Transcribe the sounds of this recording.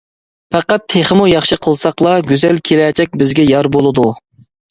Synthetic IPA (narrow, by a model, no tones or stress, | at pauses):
pæqæt̪ʰːeχəmujɑχʃɨqʰəlˠsɑqlˠɑɡʲyzɛlkʲʰelɛːt͡ʃʰɛk̚ʲbɪzɡʲɛjɑɾbolˠɨd̪u